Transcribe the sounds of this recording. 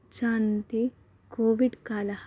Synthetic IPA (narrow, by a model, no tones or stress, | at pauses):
t͡ʃaːnt̪i | koːʋiɖkaːlɐh